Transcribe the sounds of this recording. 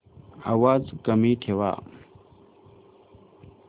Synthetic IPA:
a̰waːzkɐmiːtʰewa̰ː

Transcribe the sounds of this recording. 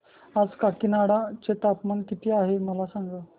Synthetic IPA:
ad͡zkakinaɽat͡set̪apmankit̪iːaɦeməlasaŋɡə

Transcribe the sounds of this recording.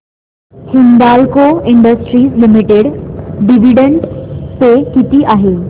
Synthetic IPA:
hind̪alkoɪɳɖəsʈɾiːslimiʈeɽɖiʋiɖəɳɖpekit̪iʔaɦe

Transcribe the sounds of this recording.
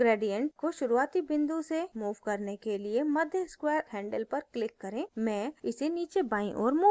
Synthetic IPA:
ɡɾeːɖijə̃ɳʈ̚koʃʊɾuaːt̪ibɪ̃nd̪usemuːʋkɐɾnekeliemɐd̪ʱjəskwɛːɾɦɛ̃ːɳɖəlpɐɾklɪkːɐɾẽːmɛ̃ɪseniːt͡ʃebaːĩʔɔ̰ːɾmuː

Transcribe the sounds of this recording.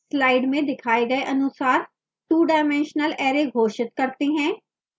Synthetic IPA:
slaːɪɖmẽd̪ɪkʰaːeɡɐeʔɐnʊsaːɾ | ʈuːɖaːmɛ̃ːnʃnəlɛːɾeɡʱoːʃɪt̪kɐɾt̪eɦɛ̃ː

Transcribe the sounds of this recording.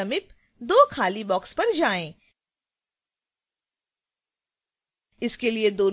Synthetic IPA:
ɐmɪp | d̪oːkʰaːlibɔːkspɐɾd͡ʒaːẽː | ɪskelied̪oːn

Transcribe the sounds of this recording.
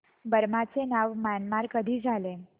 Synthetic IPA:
bəɾmat͡senaʋmanmaɾkəd̪ʱiːd͡zʱale

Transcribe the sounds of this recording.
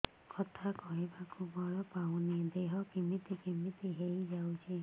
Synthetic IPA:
kɔt̪ʰakɔɦebakubɔɭɔpaw̃ned̪eɦɔkimit̪ikimit̪iɦejd͡ʒawt͡ʃʰi

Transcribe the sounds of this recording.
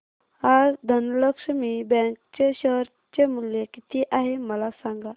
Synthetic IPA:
aɾd̪ʱənləkʂəmiːbɛ̃ŋkt͡ɕeɕəɦɾ | t͡ɕemuljekit̪iʔaɦeməlasãŋɡa

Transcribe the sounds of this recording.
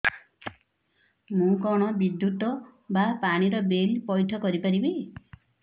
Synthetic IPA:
mũkɔɽ̃ɔbid̪jut̪ɔbapaɽ̃iɾɔbelpɔjʈʰɔkɔɾipaɾibi

